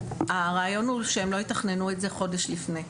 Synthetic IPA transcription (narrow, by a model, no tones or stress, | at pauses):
aʁaːjo̞nuʃeemlo̞etaχne̞nuetze̞χo̞deʃlifne